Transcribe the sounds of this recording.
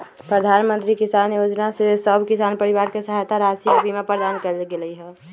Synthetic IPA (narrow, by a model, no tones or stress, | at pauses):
pɾəd̪ʱanmənt̪ɾikisanjod͡ʒnasesəbʱkisanpəɾiʋaɾkesəɦajt̪ʰaɾasikbʱimepəɾd̪ankəɾɡeləiɦɛ